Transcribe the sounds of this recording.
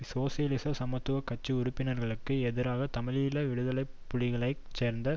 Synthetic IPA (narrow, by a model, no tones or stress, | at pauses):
soːsɪjɐlɪsɐsɐmɐt̪ːɯʋɐkːɐt͡ʃːɯʊɾʊpːɪnɐɾɣɐɭɯkːɯɛðɪɾaːɣɐt̪ɐmɪlɪjɪlɐʋɪɽɯðɐlɐɪppːʊɻɪɣɐɭɐɪ | t͡ʃeːɾnd̪ɐ